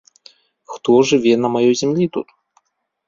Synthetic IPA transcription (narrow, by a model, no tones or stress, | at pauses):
xt̪ɔʐɨvʲɛnɐmajɔjzʲɛmlʲit̪ṵt̪